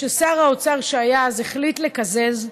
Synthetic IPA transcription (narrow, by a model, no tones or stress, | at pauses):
esaʁaot͡saʁʃeajazeχlitlekazez